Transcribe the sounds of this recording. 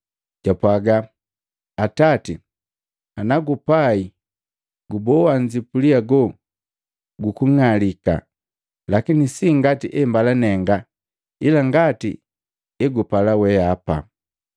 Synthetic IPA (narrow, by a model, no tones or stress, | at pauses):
ɟ̥apwaɡa | atati | anaɡupai | ɡubɔwaɲd͡ʒipuliaɡɔ | ɡukuŋalika̰ | lakinisiŋɡatiʔɛmbalanɛŋɡa | ilaŋɡatḭ | ɛɡupalawɛapa̰